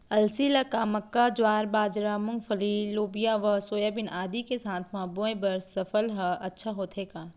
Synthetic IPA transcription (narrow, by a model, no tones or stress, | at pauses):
ɐlsilɐkaːmɐkːad͡ʒwaːɾbaːd͡ʒɾamʊ̃ŋɡfʰəliloːbijaʋɐsoːjaːbɪnʔaːd̪ikesaːt̪ʰmãːboːẽbɐɾsɐfəlɦɐɐtːʃʰaɦoːt̪ʰɦeːkaː